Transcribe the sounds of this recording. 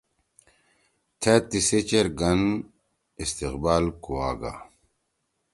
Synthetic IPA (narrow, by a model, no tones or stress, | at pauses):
t̪ʰet̪ːiset͡ɕeɾɡɐn | ist̪iqbaːlkuaːɡa̰